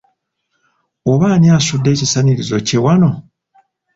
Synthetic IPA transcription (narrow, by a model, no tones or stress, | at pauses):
oβaːniasudːe̞ːcisaniɾizo̞̰ce̞wano̞